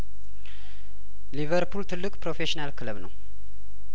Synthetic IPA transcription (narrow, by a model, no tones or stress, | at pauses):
livəɾpʰult̪ʰɨlːɨkʼpɾo̞feʃinalkʰɨləβnə̰w